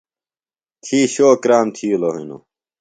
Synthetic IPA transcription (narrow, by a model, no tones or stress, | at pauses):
t̪ʰiːɕoːkɾaːmt̪ʰiːloɦḭno̰